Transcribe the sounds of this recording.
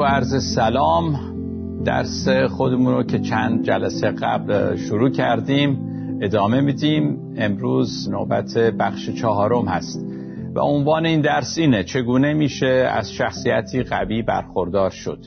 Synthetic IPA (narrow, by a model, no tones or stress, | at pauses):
æɾzesælɒːm | d̪æ̰ɾsexo̞d̪emuːnɾocʰe̞t͡ʃʰænd̪̚d͡ʒælæsejeɣæ̰blʃoɾuːcʰæɾd̪iːm | e̞d̪ɒːme̞miːd̪iːm | e̞mɾuːz | nobæt̪ʰe̞bæxʃet͡ʃʰɒɦɒːɾo̞mhæst̪ | væ̰o̞nvɒːne̞iːnd̪æɾsiːnet͡ʃʰe̞ɡuːne̞miːʃe̞æ̰z̥ʃæxsijæt̪ʰiːɣæ̰viːbæ̰ɾxo̞ɾd̪ɒːɾʃo̞̰d̪̥